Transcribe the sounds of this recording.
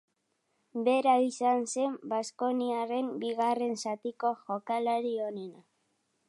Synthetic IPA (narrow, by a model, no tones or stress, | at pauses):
be̞ɾaisanse̞mbasko̞niare̞mbiɣare̞nsat̪iko̞ʝo̞kalaɾio̞ne̞na